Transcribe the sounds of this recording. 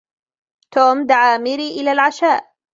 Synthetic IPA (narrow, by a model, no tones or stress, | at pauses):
t̪oːmd̪aʕaːmɪɾiʔɪlaːlʕaʃaːʔ